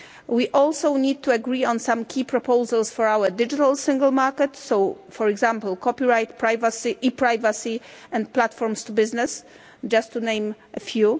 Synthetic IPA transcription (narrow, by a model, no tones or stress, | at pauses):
wiʔɔlsownʲid̪̚t̪uaɡɾiɔ̃nsãmkʲʰipɾɔpowzalsfɔɹawədɪd͡ʒit̪alsɪ̃ŋɡəlmaɾkɛt̪sow | fɔɹɛɡzãmplkʰɔpiɹajt̪pɹajvasiʔipɾajvasi | ɛ̃nt̪̚plat̪fɔɹmst̪ubɪznɛs | d͡ʒast̪ʰːunẽj̃mʔɛfju